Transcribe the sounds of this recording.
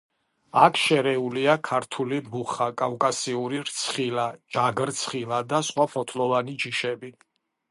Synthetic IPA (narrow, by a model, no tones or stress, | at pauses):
akʰʃɛɾɛuliakʰaɾt̪ʰulibuχakʼavkʼasiuɾiɾt̪sʰχilad͡ʒaɡɾt̪sʰχilad̪asχwapʰɔt̪ʰlɔvanid͡ʒiʃɛbi